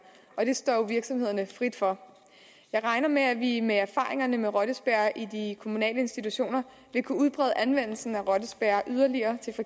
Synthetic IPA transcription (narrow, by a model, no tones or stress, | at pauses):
ɒ̽d̥e̝sd̥ɒ̰ːjo̝ʋiɐɡ̥sɒ̽mhe̝ðˠɐnəfʁid̥fɒ̽ | jɑ̈ɪʁɑ̈ɪnɐmeæʋimeæɐfɑ̰̈ːʁeŋɐnəmeʁɒ̽ɾ̥əsb̥æɐ̰ʔidikʰo̝munɛ̰ːləe̝nsd̥it͡sʰuɕo̝̰ːnɐ | ʋe̝kʰuuð̞ˠb̥ʁɛ̰ːð̞ˠəʔænʋen̰l̩sn̩æʁɒ̽d̥əsb̥æɐʔyð̞ˠɐliɐːt͡sʰe̝lfi